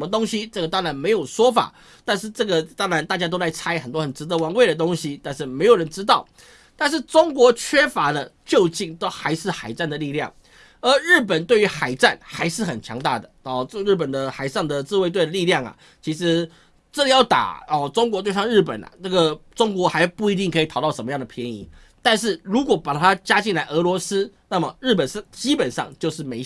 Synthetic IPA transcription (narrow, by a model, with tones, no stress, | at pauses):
ʂə˧mə˧t̪o˥ŋɕi˦ʈ͡ʂɤ˥˩ɡə˩t̪ɑ˥ŋɻa˧˥nme˧˥ɪjo˨˩ʊʂwɔ˥fa̰˨˩ | t̪a˥˧nʂ̬ɻ̩˥˧ʈ͡ʂɤ˥˩ɡə˩t̪ɑ˥ŋɻa˧˥nt̪a˥˩t͡ɕja˥t̪o˥ʊt͡sa˥˩ɪt͡sʰa˥ɪxə˨˩nt̪wɔ˥xə˨˩nʈ͡ʂɻ̩˧˥d̪ə˧˦wɑ˧˥ŋwe˥˩ɪɾə˩t̪o˥ŋɕi˦t̪a˥˧nʂ̬ɻ̩˥˩me˧˥ɪjɻə˧˦nʈ͡ʂɻ̩˥t̪ɑ˥˩ʊ | t̪a˥˧nʂ̬ɻ̩˥˩ʈ͡ʂʊ˥ŋkwɔ˧˥t͡ɕʰɥɛ˥fa˧˥d̪ə˧t͡ɕjo˥˧ʊt͡ɕi˥˩ŋt̪o˥ʊxa˧˥ɪʂɻ̩˥˩xa˨˩ɪt͡sa˥˩nd̪ə˩li˥˧ljɑ̰˥˩ŋ | ə˧˥ɻ̩˥˩p̬ə˨˩nt̪we˥˩ɪy˧˥xa˨˩ɪʈ͡ʂa˥˩nxa˧˥ɪʂɻ̩˥˩xə˨˩nt͡ɕʰjɑ̰˧˥ŋt̪a̰˥˩d̪ə˩ɔ˨˩˥ɻ̩˥˩pə˨˩nd̪ə˨xa˨˩ɪʂɑ˥˩ŋd̪ə˨t͡sɹ̩˥˧we˥˧t̪we˥˩ɪd̪ə˩li˥˧ljɑ˥˩ŋa̰˩ | t͡ɕʰi˧˥ʂɻ̩˧˦ | ʈ͡ʂɤ˥˧jɑ˥˩ʊt̪a̰˨˩ɔ˨ʈ͡ʂʊ˥ŋkwɔ˧˥t̪we˥˧ɪsɑ˥˧ŋɻ̩˥˩pə̰˨˩na̰˩na˥˩ɡə˩ʈ͡ʂʊ˥ŋkwɔ˧˥xa˧ɪpu˥˩i˧˥t̪i˥˩ŋkʰɤ˧˥i˨˩ɑ˨˩ʊt̪ɑ˥˩ʊʂə˧˥mə˦jɑ˥˩ŋd̪ə˩pʰjɛ˧˦˥nḭ˧˥ | t̪a˥˧nʂ̬ɻ̩˥˩ɻu˧˥kwɔ˨˩˥pa˨˩t̪ʰa˥t͡ɕja˥t͡ɕi˥˩nla˧˥ɪʔɤ˧˥lwɔ˧˥s̩˥na˥˩mə˨˩ɻ̩˥˩pə˨˩n˥˩t͡ɕi˦˥pə˨˩nʂɑ̰˥˨˩ŋt͡ɕjo˥˧ʊʂ̬ɻ̩˥˩me˧˥ɪ